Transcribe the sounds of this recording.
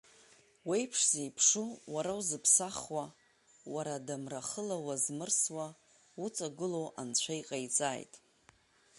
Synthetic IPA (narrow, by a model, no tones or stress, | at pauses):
wejpʰʂz̥ejpʰʂuwaɾawzɨpʰsaχwa | waɾadamraχəlawazmɨrswa | ut͡sʼaɡɨlo̞wʔant͡ɕʷʰajqʼajt͡sʼa̰ːjtʼ